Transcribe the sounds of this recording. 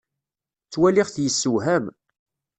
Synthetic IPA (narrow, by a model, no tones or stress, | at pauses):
t͡sːwæliʁθjəsːuɦæm